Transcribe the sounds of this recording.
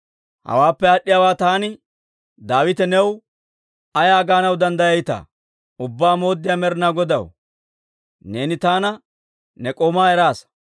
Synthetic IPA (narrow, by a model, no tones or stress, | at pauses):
hɐ̰waːpːɛɐɗːɪjaːwaːt̪aːnɪ | d̪aːwɪt̪ɛnɛw | ɐjaːɡaːnɐwd̪ɐnd̪ɐjɐjt̪a̰ː | ʊbːaːmo̞ːd̪ːɪjaːmɛɾɪnaːɡɔd̪ɐ̰w | ne̞ːnɪt̪aːnɐ | nɛkʼoːmaːɛɾaːs